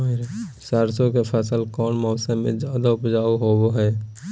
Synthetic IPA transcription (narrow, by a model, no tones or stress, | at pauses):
ɾsaːɾsõkepʰɛsəlkɔːnmɔːsəmḛ̃d͡ʒaːd̪aʊpd͡ʒaːuɦoboɦɛː